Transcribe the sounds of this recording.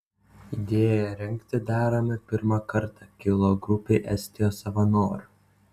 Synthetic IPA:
id̪ʲeːjɛɾʲɪŋʲkt̪ʲɪd̪ʲæːɾɐmʲɪpʲɪɾmɑkɐɾˑt̪ɑkʲɪlˠoɡɾʊpʲeːʔɛsʲt̪ʲɪjoːsɐʋɐnoːɾʲ

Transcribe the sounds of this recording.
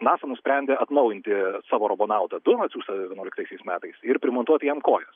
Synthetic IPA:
nɑːsɐnʊsʲpʲɾʲɛnʲd̪ʲeɐt̪nɐʊjɪnt̪ʲɪsɑːʋoːɾoboːnɑʊt̪ɐd̪ʊmɐt̪sʲuːst̪ɐɛʋʲɛnuɔlɪkt̪ɐɪsʲɛɪsmʲæːt̪ɐɪsɪɾpʲɾʲɪmoːnt̪uɔt̪ʲɪjɛmkoːjɛs

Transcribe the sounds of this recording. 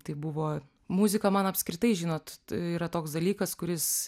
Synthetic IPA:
t̪ɐɪbʊʋoː | muzʲɪkɐmɐnɐpʲsʲkɾʲɪt̪ɐɪʒʲɪnoːt̪iːɾɐt̪oːksd̪ɐlʲiːkɐskʊɾʲɪs

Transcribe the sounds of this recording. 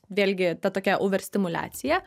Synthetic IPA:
ʋʲeːlʲɡʲɪt̪ɐt̪oːkʲɛʔoːʋʲɛɾʲsʲt̪ʲɪmʊlʲæ̰ːt̪sʲɪjɛ

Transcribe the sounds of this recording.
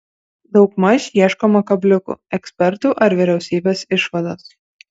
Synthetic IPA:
d̪ɒʊkmɐʃʲjiɛʃkomɐkɐbʲlʲʊkʊ̰ɛksʲpʲɛɾt̪uːʔɐɾʋʲɪɾʲɛʊsʲiːbʲeːsɪʃʋɐd̪oːs

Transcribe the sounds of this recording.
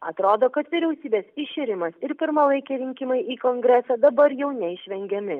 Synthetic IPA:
ɐt̪ɾoːd̪oːkɐt̪ʋʲɪɾʲɛʊsʲiːbʲeːsɪʃʲɪɾʲɪmɐsɪɾpʲɪɾmɐlˠɐɪkʲɛːɾʲɪŋʲkʲɪmɐɪʔiːkoːŋɡɾʲɛsɐːd̪ɐbɐɾjɛʊnʲɛɪʃʲʋʲɛŋʲɡʲɛmʲɪ

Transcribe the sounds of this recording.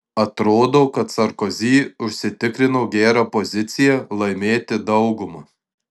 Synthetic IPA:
ɐt̪ɾoːd̪oːkɐt̪̚t̪sɐɾkɔzʲiːʊʃʲsʲɪt̪ʲɪkɾʲɪnoʊɡʲæːɾɑpɔzʲɪt̪sʲɪjɛlˠɐɪmʲeːt̪ʲɪd̪ɐʊɡʊmɐː

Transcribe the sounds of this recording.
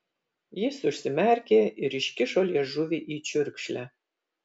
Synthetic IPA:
jɪsʊʃsʲɪmʲærʲkʲeːʔɪɾɪʃkʲɪʃolʲɛʒuʋʲiʔit͡ʃʊɾkʃlʲɛ

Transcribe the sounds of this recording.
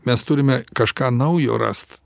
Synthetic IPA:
mʲɛst̪ʊɾʲɪmʲɛkɐʃkɑːnɐʊjo̰ːɾɐ̰st̪

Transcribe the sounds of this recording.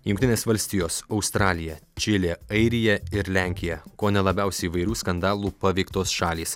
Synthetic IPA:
jʊŋkt̪ʲɪnʲeːsʋɐlʲsʲt̪ʲiːjoːsɒʊst̪ɾɑːlʲɪjɛt͡ʃʲɪlʲeːɐɪɾʲɪjɛɪɾlʲæˑŋʲkʲɪjɛkoːnʲɛlˠɐbʲæˑʊsʲɛɪiʋɐɪɾʲuːskɐnd̪ɑːlˠuːpɐʋʲɛɪkt̪oːsʃɑːlʲiːs

